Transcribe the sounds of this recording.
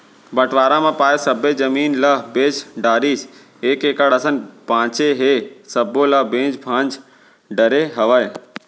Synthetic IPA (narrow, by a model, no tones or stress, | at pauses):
bəʈʰʋaːɾãmãːpaːesəbed͡ʒəmiːnlabẽːd͡ʒɖaːɾiːs | eːkeːkaɽəsənpãːt͡ʃeɦesəbolabẽːd͡ʒbʱãːnd͡ʒ | ɖəɾeɦəʋəe